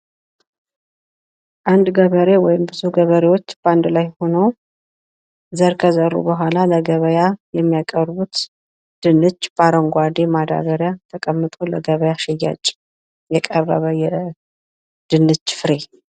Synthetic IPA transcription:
ʔand̪ɡəβəɾe̞wɔjɪmbɨzuɡəβəɾewo̞t͡ʃːb̥and̪lajho̞nəw | zəɾkʰəzərːṵbəɦʷalaləɡəβəjajɛmːijakʼəɾβut̪ | d̪̥ɨnːɨt͡ʃːb̥aɾəŋɡʷad̪emad̪a̰βəɾjat̪ʰəkʼəmːɨt̪ʼoləɡəβəjaʃɛjːa̰t͡ʃʼ | jɛkʼəɾə̰βəjɛ | d̪̥ɨnːɨt͡ʃːfɨɾe̞

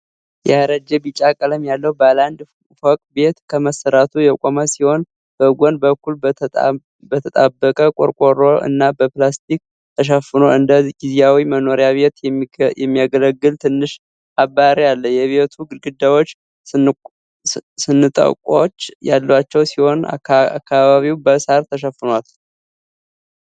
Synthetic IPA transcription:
jɛaɾəd͡ʒɛbit͡ʃʼakʼələmjalːəhubaland̪ | fokʼbe̞t̪kʰəməsəɾat̪ʰujɛkʷʼomasiho̞n | b̥əɡʷonbəkːul | bət̪ʰət̪ʼabːəkʼəkʼoɾkʼoɾoʔɨ̰nːabəplast̪ʰik̚ | t̪ʰəʃ̬əfɨno̞ʔɨnd̪əɡizijawiməno̞ɾjaβe̞t̪jɛmːijaɡələɡːɨlt̪ʰɨnːɨʃ | abaɾijalːəjɛβet̪ʰuɡɨɡɨd̪ːawot͡ʃː | sɨnːɨt̪ʼə̰kʼat͡ʃːja̰lːwat͡ʃːɛwsiho̞na̰a̰kːaβaβiwbəsaɾt̪ʰəʃəfːɨnwal

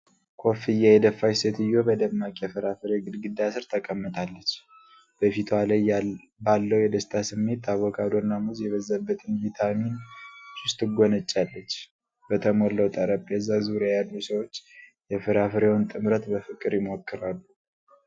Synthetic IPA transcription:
kʰo̞fɨjːajɛd̪əfːajsət̪ʰɨjo̞bəd̪əmːakʼjɛfɨɾafɨɾeɡɨd̪ɡɨd̪asɨɾt̪ʰəkʼəmːət̪ʰalːət͡ʃː | b̥əfit̪ʰwalaj | balːəwjɛd̪əst̪ʰasɨmːe̞t̪ʰːaβɔkʰad̪oɾnːamuzjɛβəzːəbːət̪ʰɨnvit̪ʰaminsʊst̪ʼɨɡʷonət͡ʃʼːalːət͡ʃː | b̥ət̪ʰəmolːəwt̪ʼəɾəpʼːjɛzːazuɾjajalːusəwo̞t͡ʃːjɛfɨɾafɨɾewnt̪ʼɨmɾət̪bəfɨkʼɨɾjɪmo̞kʰːɨɾalːu

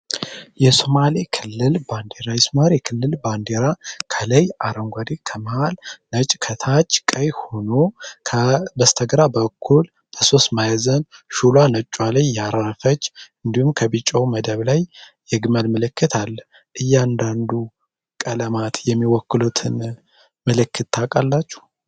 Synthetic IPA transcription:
jɛsomalekʰɨlːɨlband̪eɾajɛsomalekʰɨlːɨlband̪eɾakʰələjʔaɾəŋɡʷad̪ekʰəməhalnət͡ʃʼkʰət̪ʰat͡ʃːkʼəjho̞nokʰəbəst̪ʰəɡɾabəkʰːul | b̥əso̞st̪majzənʃulwanət͡ʃʼwaləjjaɾafət͡ʃːɨnd̪ihumkʰəβit͡ʃʼːəwməd̪əβlajjɛɡməlmɨlɨkːɨt̪ʰalː | ʔɨjːand̪and̪u | kʼələmat̪jɛmːiwɔkːɨlut̪ʰɨn | mɨlɨkːɨt̪t̪ʰːakʼalːat͡ʃːu̥

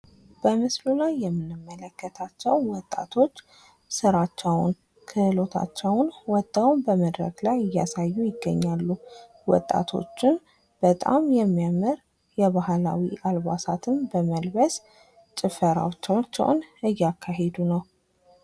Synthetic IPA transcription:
b̥əmɨslulajːɛmːɨnːɨmːələkːət̪ʰat͡ʃːɛwwɔt̪ʼːa̰t̪ʰo̞t͡ʃː | sɨɾat͡ʃːɛwn | kʰɨlo̞t̪ʰa̰t͡ʃːɛwnwɔt̪ʼːawnbəməd̪ɾə̰ɡlajɨjːasajːujɪɡːəɲːalːu | wɔ̰t̪ʼːa̰t̪ʰo̞̰t͡ʃːɪn | b̥ət̪ʼa̰mjɛmːijamɨɾ | jɛβahla̰wḭʔalβasat̪ʰɨmbəməlbəs | t͡ʃʼɪfəɾa̰t͡ʃːɛwt͡ʃːɛ̰w̰nɨjːakʰːaɦe̞d̪unəw

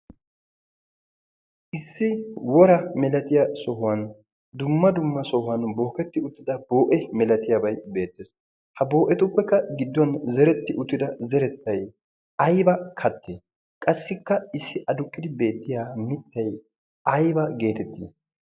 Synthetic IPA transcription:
ʔɪsːɪwɔɾɐmɛlɐt̪ɪjasɔhʊwɐn | d̪ʊmːɐd̪ʊmːɐsɔhʊwɐnbo̞ːkɛt̪ːɪʊt̪ːɪd̪ɐbo̞ːʔɛmɛlɐt̪ɪjɐbɐjbe̞ːt̪ːeːs | hɐbo̞ːʔɛt̪ʼʊpːɛkːɐɡɪd̪ːɔnzɛɾɛt̪ːɪʔʊt̪ːɪd̪ɐzɛɾɛt̪ːɐj | ɐjbɐkʰɐt̪ːeː | kʼɐsːɪkːɐɪsːɪʔɐd̪ʊkʼːɪd̪ɪbe̞ːt̪ːɪjaːmɪt̪ːɐj | ʔɐjbɐɡe̞ːt̪ɛt̪ːḭː

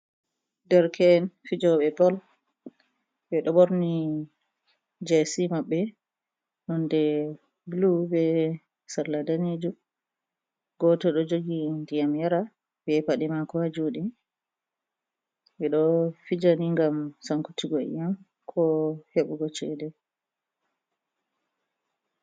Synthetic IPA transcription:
dɛɾkʰɛnfid͡ʒɔɓɛbɔl | bɛɗɔboɾni | d͡ʒɛsimaɓːɛ | nɔndɛ | blubɛ | saɾladaned͡ʒu | ɡɔtɔɗɔd͡ʒoɡindijamjaɾa | bɛpaɗɛmakɔhad͡ʒuɗi | bɛɗɔfid͡ʒaniŋɡamsaŋkutiɡɔḭjam | kʰɔheɓuɡɔt͡ʃɛdɛ

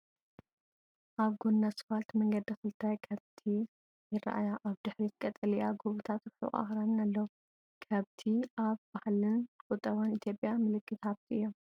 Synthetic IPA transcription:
ʔaβɡonːasɨ̥falt̪mɐŋɡɐd̪ɐfɨlt̪ʰajkʰɐβt̪ʰi | jɪrːa̰ʔa̰jaʔaβd̪ɨħɾikʼɐt̪ʼːɐlijaɡoβut̪ʰat̪ɾħṵʔa̰xɾannalːɐwu | kʰɐβt̪ʰiʔaβb̥ahlɨnkʼʊt̪ʼːɐβanit̪jo̞pʼːjamɨlɨkːɨt̪aβt̪ʰʔɨjːo

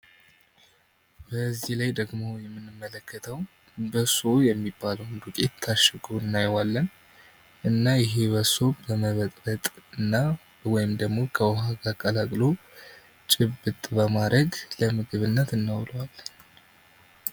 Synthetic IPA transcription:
b̥əzːihlajd̪əɡmo̞jɛmːɨnːɨmːələkʰːət̪ʰəw | bəso̞jɛmːibːaləwnd̪ukʼet̪ʰːaʃɨɡʰoɨnːajwalːən | ʔɨnːajɪɦe̞bəso̞bəməβət̪ʼɾət̪ʼɨnːa | wɔjɪmd̪əɡmo̞kʰəwɔɦaɡakʼəlakʼlo̞ | t͡ʃʼɪbːɨt̪ʼbəmad̪əɡləmɨɡɨβɨnːət̪ɨnːawləwalːən

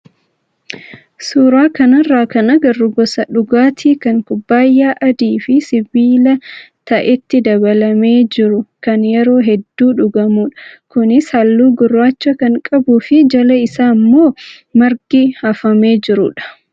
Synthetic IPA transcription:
suːɾaːkɐnɐrːaːkɐnɐɡɐrːʊɡɔsɐᶑʊɡaːt̪ʰiːkɐŋkʊbːaːjːaːʔɐd̪iːfɪsɪbiːlɐt̪ɐʔɛt̪ːɪd̪ɐbɐlɐme̞ːd͡ʒɪɾʊkɐnjɛɾo̞ːɦɛd̪ːuːᶑʊɡɐmuːᶑɐ̥kʊnɪshɐlːuːɡʊrːaːt͡ʃːɐkɐŋkʼɐbuːfɪd͡ʒɐlɐɪsaːmːo̞ː | mɐɾɡihɐfɐme̞ːd͡ʒɪɾʊᶑɐ̥

